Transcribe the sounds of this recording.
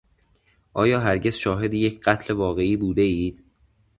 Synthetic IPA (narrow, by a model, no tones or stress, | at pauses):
ʔɒːjɒːɦæɾɟe̞z̥ʃɒːɦe̞d̪ijecʰɢæt̪ʰle̞vɒːɣe̞iːbuːd̪e̞iːd̪̥